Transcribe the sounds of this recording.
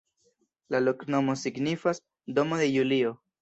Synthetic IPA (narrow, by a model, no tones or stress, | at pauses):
lalo̞kno̞mo̞siɡnifas | d̪o̞moðe̞julio̞